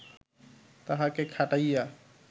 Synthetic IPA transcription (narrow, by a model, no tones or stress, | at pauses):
t̪aɦakekʰaʈajja